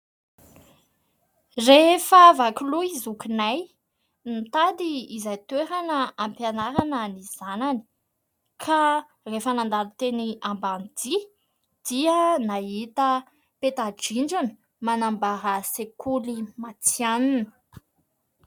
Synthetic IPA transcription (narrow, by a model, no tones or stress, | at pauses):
refəvakuluizukinaj | nit̪ad̪iːzajt̪weɾanəampjanaɾanəniz̥anani̥ | kʰa | refənand̪alut̪eniamband̪i | d̪̥iənaɦit̪ə | pet̪ad͡ʒiɳd͡ʒuni̥ | manambaɾəsekulimat͡sianinə̥